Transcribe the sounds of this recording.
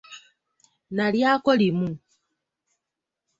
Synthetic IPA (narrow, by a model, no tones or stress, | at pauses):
naljakolimu